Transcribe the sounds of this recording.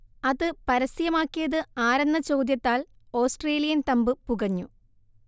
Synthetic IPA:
ɐðɨpɐɾɐsijɐmaːkːijɐðɨaːɾɐnːɐt͡ɕo̞ːd̪jɐt̪ːaːl | o̞ːsʈreːlijɐnt̪ɐmbɨpuɣɐɲːu

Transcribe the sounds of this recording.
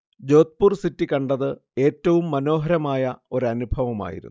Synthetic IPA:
d͡ʑo̞ːt̪̚pursitːikɐɳɖɐðɨe̞ːtːɐʋumːɐno̞ːɦɐɾɐmaːjɐo̞ɾɐnubʱɐʋɐma̰ːjḭɾunː

